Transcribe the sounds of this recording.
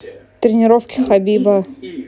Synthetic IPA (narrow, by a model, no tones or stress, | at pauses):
t̪ɾʲɪnʲɪɾofkʲɪxɐbʲibə